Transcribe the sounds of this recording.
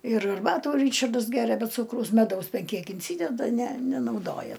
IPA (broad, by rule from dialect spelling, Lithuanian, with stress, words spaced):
ɪr ɐrˈbɑːtuː ˈrʲiːt͡ʃɐrdɐs ˈɡʲæːrʲɛ bʲɛ ˈt͡suːkrɐʊs mʲɛˈdɐʊs ˈbʲɛn ˈkʲiɛk ɪnʲˈsʲiːdʲɛdɐ nʲɛ nʲɛnɐʊˈdoːjɛ